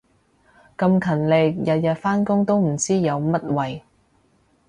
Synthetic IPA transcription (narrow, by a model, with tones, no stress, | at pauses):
kɐ˧mkʰɐ˨˩nlɪ˨k̚jɐ˨t̚jɐ˨t̚faː˥nkʊ˥ŋt̪o˥wm̩˨˩t͡siː˥jɐ˨˧wmɐ˥t̚wɐ˨j